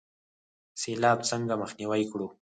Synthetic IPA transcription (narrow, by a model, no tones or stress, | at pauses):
selɑbt͡səŋɡaməxniwajkɽu